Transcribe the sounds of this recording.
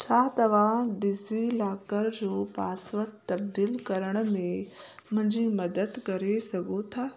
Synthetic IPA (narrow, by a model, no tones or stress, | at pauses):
t͡ʃʰaːt̪ɐʋãɖɪzilaːkəɾd͡ʑoːpaːsʋət̪t̪ːɐb̚d̪iːlkɐɾəɽ̃mẽmɐ̃ɲd͡ʑʱimɐd̪əd̪kɐɾesɐɡot̪ʰaː